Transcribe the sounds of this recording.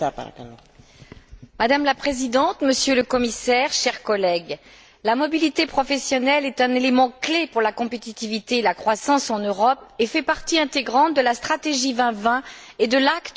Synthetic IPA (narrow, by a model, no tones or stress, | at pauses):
mad̪amlapχezid̪ɑ̃t̪məsjøləkɔmisɛʁʃɛʁkɔlɛɡ | lamɔbilit̪epχɔfɛsjɔnɛlɛt̪ɛ̃nelemɑ̃klepuʁlakɔ̃pet̪it̪ivit̪eːlakχwasɑ̃sɑ̃nøʁɔp̚efɛpaʁt̪iɛ̃t̪eɡʁɑ̃t̪̚d̪əlast̪χat̪eʒivɛ̃vɛ̃ | ed̪əlakt̪